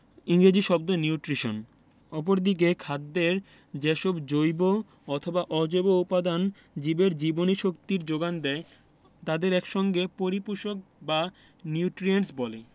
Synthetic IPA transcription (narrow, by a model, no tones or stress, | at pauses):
iŋɡɾed͡ʑiʃɔbd̪oniuʈɾiʃo̰n | ɔp̬oɾd̪ik̬ekʰad̪ːeɾ | d͡ʑeʃobd͡ʑojbo | ɔt̪ʰobaʔɔd͡ʑoboupad̪an | d͡ʑibeɾd͡ʑiboniʃokt̪iɾd͡ʑoɡand̪ɛe | t̪ad̪eɾɛkʃɔŋɡepoɾipuɾʃok̚ba | niuʈɾiensbɔle